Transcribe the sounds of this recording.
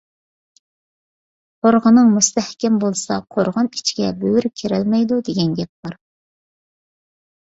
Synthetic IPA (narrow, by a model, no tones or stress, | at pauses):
qʰoɾʁənɨŋmust̪ʰɛhkʲɛmbolˠsɑ̰qʰoɾʁɑni̥t͡ʃʰi̥ɡʲɛbøwyɾkʲʰeɾɛlmɛjd̪ud̪eɡʲɛnɡʲɛp̚bɑɾ